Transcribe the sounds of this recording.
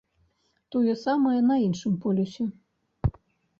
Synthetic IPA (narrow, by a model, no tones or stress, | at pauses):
t̪ojɛsamɐjɛnɐinʂɨmpolʲusʲe